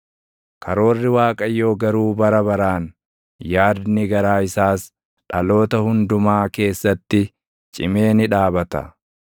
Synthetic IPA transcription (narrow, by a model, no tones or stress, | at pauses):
kʰɐɾo̞ːrːɪwaːkʼɐjːo̞ːɡɐɾuːbɐɾɐbɐɾaːn | jaːd̪nɪɡɐɾaːɪsaːs | ᶑɐlo̞ːt̪ɐhʊnd̪ʊmaːke̞ːsːɐt̪ːɪ | t͡ʃʼɪme̞ːnɪᶑaːbɐt̪ɐ̰